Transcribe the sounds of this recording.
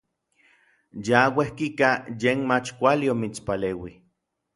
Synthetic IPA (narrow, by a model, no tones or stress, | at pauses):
jawehkikajenmat͡ʃkʷaliomit͡spaleːwi